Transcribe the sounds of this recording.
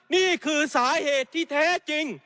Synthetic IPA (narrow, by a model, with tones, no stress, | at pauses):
niː˥˩kʰɯː˧saː˩˦heː˨˩t̪ʰːiː˥˩t̪ʰɛː˥˩t͡ɕi˧ŋ